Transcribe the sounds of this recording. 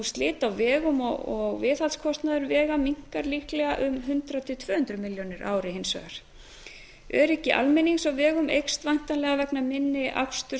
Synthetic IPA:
st̪lɪːt̪awvɛːɣʏmɔɔɣvɪːθalskʰɔst̪naðʏɾvɛːɣamiŋ̥kaɾliːklɛɣaʔʏmɦʏnt̪ɾat̪ʰɪt̪ʰvœːhʏnt̪ɾʏmɪljonɪɾʔaːwɾɪhensœ̰ɣaɾ̥ | ɛɾɛcːɪʔa̰lmɛniŋsawvɛːɣʏmʔḛjkst̪vajn̥t̪anlɛɣavɛknamɪnːɪʔa̰kst̪ʏ

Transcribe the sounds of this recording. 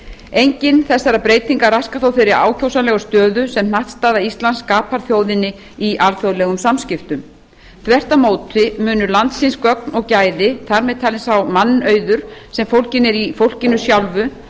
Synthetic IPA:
ejɲcɪnθɛsːaɾapɾeːjt̪iŋkaraskaθowfɪɾɪɾa̰ːwcʰowsanlɛɣʏst̪œːðʏsɛmnaht̪st̪aːðaist̪lanskaːpʰaɾ̥θjowðɪnːɪ | iʔalfjowðlɛɣʏmsamscɪft̪ʏm | θvɛr̥t̪amoːwt̪ɪmʏːnʏɾlant̪sɪnskœk̚nɔɣcaːjðɪθaɾmɛðt̪ʰaːlɪnsawmanːœːɥðʏɾ̥sɛmfowlcɪnɛɾifowl̥cɪnːʏsjawlvʏ

